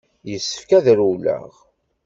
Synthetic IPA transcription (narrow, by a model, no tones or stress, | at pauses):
jəsːə̥fkæðɾulæ̰ʁ